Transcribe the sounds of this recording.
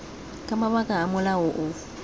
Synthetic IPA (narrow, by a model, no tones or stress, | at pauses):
kʼamaβakʼaːmʊlaʊʔʊ